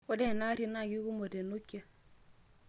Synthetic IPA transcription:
o˦de˦˨na˦ɾi˦na˦˨ɡi˦ɡu˦mo˨de˨no˦kːe˦

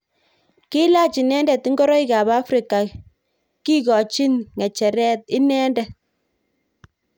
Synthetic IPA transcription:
ki˦la˦t͡ʃi˨nɛ˦ndɛ˨ti˦ŋɡɔ˦ɾɔ˦i˦ka˨ba˦fɾi˨ka˨ | ki˦kɔ˨t͡ʃi˦nŋɛ˨t͡ʃɛ˨ɾɛ˦t̚ɪ˦nɛ˦ndɛ˨

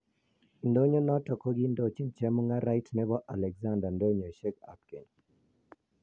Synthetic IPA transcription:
ndo˦ɲo˦nɔ˦tɔ˨kɔ˦ɡi˦ndo˨t͡ʃi˦nt͡ʃɛ˦mu˦ŋa˦ɾa˦jtnɛ˦bɔ˦ʔa̰˨lɛ˨ɡza˦nda˨ndo˦ɲɔ˨ʃɛ˦ka̰˨p̚kɛ˨ɲ

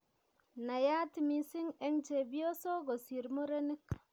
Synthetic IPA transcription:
na˨ja˦ti˨mi˨si˦ŋe˦ŋt͡ʃe˨bi˦o˦so˦ɡo˨si˨ɾmo˦ɾe˦ni˦k

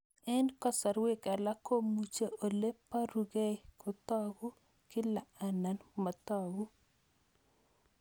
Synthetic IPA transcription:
ɛ˦nkɔ˦sa˨ɾwe˦ka˨la˦ko˦mu˨t͡ʃe˦ʔo˨le˦pːa˦ɾu˨ɡe˦kʊ˨t̪ɔ˦ɡu˦ | kɪ˦la˨a˨na˨nma˨t̪ɔ˦ɡu˦

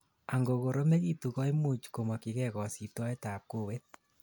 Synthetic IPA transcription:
a˨ŋɡo˨ɣo˨ɾo˦me˦ɣi˦tu˨ɣɔ˦i˦mu˦˨t͡ʃko˨ma˨ki˨ɣɛ˦ɣɔ˨si˨twa˦e˦ta˨p̚ko˦˨we˦t̚

